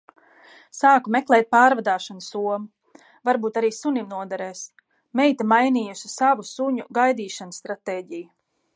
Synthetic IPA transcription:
saːkumɛklˠɛjt̪̚paːɾvad̪aːʃansuɔmu | vaɾbuːt̪aɾiːsunimnuɔd̪ɛɾɛːs | mɛjt̪amajniːjusi̥savusuɲuɡajd̪iːʃansːt̪ɾat̪eːɟiju

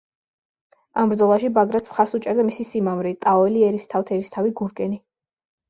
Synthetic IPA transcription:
ambɾd̪zɔlˠaʃibaɡɾat̪sʰmχaɾsut͡ʃʼɛɾd̪amisisimamɾit̪ʼaɔɛliɛɾist̪ʰaft̪ʰɛɾist̪ʰaviɡuɾɡɛni

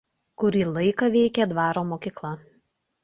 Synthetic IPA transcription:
kʊɾʲiːlˠɐɪkɐʋʲɛɪkʲɛd̪ʋɑːɾoːmoːkʲiːklˠɐ

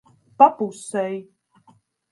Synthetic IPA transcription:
papusɛj

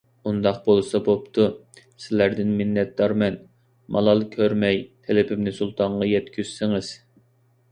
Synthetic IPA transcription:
und̪ɑq̚bolˠɨsɑbopt̪ʰu | sɪlæɾd̪ɪnmɪnːɛt̪̚d̪ɑɾmɛn | mʔɑ̰lˠɑlˠkʲʰøɾmɛjt̪ʰelɪpʰɪmnɪsulˠt̪ʰɑɴʁɑjɛt̪kʲyz̥sɪŋɪz̥

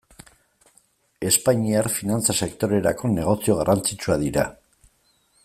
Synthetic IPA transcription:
e̞spaɲiaɾfinant͡sase̞kt̪o̞ɾe̞ɾa̰ko̞ne̞ɣ̞o̞sio̞ɣ̞arʔant͡sit͡suaðiɾa̰

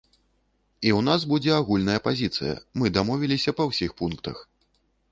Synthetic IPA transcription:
iwnas̬bud͡zʲɛaɣulʲnɐjɐpazʲit̪sɨ̰jɐ̰mɨd̪amɔvʲilʲisʲɐpɐwsʲixpunkt̪ɐ̰x

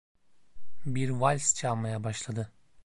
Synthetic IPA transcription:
biɾvalʲst͡ʃʰalˠmajabaʃlˠad̪ɯ

